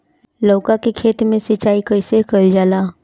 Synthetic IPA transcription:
lɔːkakekʰeːt̪mẽsɐt͡ʃaːikəɪsekəld͡ʒaːlaː

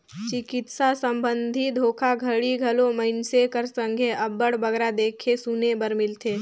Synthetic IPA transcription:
t͡ʃɪkɪt̪sasə̃mbə̃nd̪ʱid̪ʱoːkʰaɡʱəɽiɡʱɐlõməɪnsekəɾsə̃ŋɡʱeʔɐbəɽbɐɡɾad̪eːkʰesunebəɾmɪlt̪ʰeː

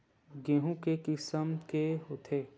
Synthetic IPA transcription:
ɡẽːɦũkekɪsəmkeɦot̪ʰeː

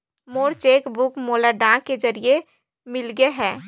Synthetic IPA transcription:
moːɾt͡ʃeːkbʊkmoːlaɖãked͡ʒəɾie | mɪlɡeɦɛ̃ː

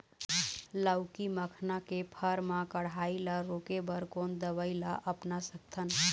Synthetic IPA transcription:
laʊkiməkʰnakepʰəɾmãkəɽaːilaɾoːkebəɾkoːnd̪əʋəilaʔəpnasək̚t̪ʰən

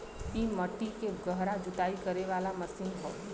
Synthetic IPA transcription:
iːmɐʈːikeɡɐɦɾad͡ʒʊt̪aːikɐɾeʋaːlamɐsɪ̃nɦo̰ː

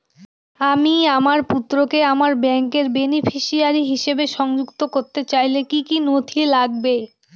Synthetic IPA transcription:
amiamaɾput̪ːɾokeamaɾbɛŋkeɾbenifʰiʃiaɾiɦiʃebeʃɔŋd͡ʑukt̪okoɾt̪et͡ɕajlekikinot̪ʰilaɡ̚be

